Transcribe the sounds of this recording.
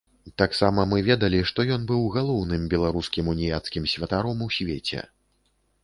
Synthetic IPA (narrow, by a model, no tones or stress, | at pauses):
t̪aksamɐmɨvʲɛd̪ɐlʲiʂt̪ɔjɔnbɨwɣalˠɔwnɨmbʲɛlˠaɾuskʲimunʲijat̪skʲimsʲvʲɐt̪aɾɔmusʲvʲet͡sʲɛ̰